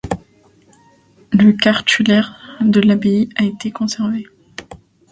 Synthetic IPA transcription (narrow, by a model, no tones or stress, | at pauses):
ləkaʁt̪ylɛʁd̪əlabeiaet̪ekɔ̃sɛʁve